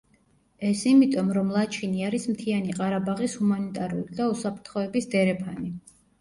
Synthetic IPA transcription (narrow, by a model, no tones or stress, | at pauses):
ɛsimit̪ʼɔmɾɔmlˠat͡ʃʰiniaɾismt̪ʰianiqʼaɾabaʁishumanit̪ʼaɾṵlid̪ausapʰɾt̪ʰχɔɛbisd̪ɛɾɛpʰani